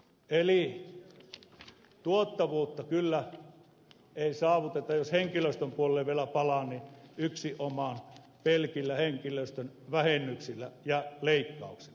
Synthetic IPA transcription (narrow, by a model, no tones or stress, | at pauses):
ʔeli | t̪uot̪ːɑʋuːt̪ːɑkylːæ | eˑisɑːʋut̪et̪ɑjosheŋkiløst̪ømpuolelːeʋʋielæpɑlɑnniyksiʔomɑn | pelkilːæheŋkiløˑst̪øn | ʋæhenːˑyksilːæjɑleˑikːɑˑuksi̥lːɑ̥